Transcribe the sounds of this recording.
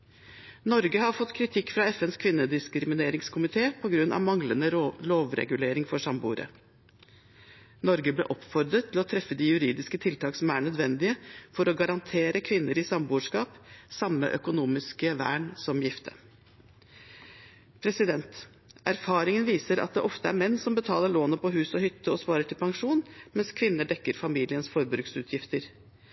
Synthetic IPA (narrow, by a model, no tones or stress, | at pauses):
nɔɾɡəhɑɾfɔt̪ːkʰɾɪt̪ʰɪkːfɾɑɛfɛnskʰʋɪnːəd̪ɪskɾɪmɪneːɾɪŋskʰʊmɪt̪ʰeːpʰɔɡɾʉnːʔɑ̰ʋmɑŋlənəloːʋɾɛ̰ɡʉleːɾɪŋfɔʂɑmbṵːɾə̰ | nɔɾɡəblḛːʔɔpfɔɾd̪ɾət̪ʰːɪlɔt̪ʰɾɛfːəd̪ɪjʉɾiːd̪ɪskət̪ʰɪlt̪ʰɑːksɔmæɳœd̪ʋɛnd̪ɪəfɔɾɔɡɑɾɑnt̪ʰeːɾəkʰʋɪnːəɾɪsɑmbuːʂkɑːpsɑmːə̰ʔœkʊnuːmɪskəʋæ̰ːɳsɔmjɪft̪ʰə̰ | pʰɾɛsɪd̪ɛnt̪ | ʔæɾfɑːɾɪŋənʋiːsəɾɑ̰t̪̚d̪ɛʔɔft̪əæ̰ɾmɛnːsɔmbət̪ʰɑːləɭoːnəpɔɦʉːsɔhʏt̪ːəɔspɑːɾəʈʰɪlpɑŋʂuːnmɛnskʰʋɪnːəɖɛkːəɾfɑmiːlɪənsfɔɾbɾʉːksʉːt̪ʰjɪft̪əɾ